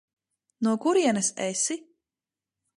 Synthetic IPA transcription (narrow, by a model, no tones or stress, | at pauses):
nuɔkuɾiɛnɐsɛsi